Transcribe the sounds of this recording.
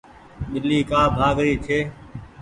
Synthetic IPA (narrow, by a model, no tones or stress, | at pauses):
ɓɪliːkaːbʱaːɡɾiːt͡ʃʰeː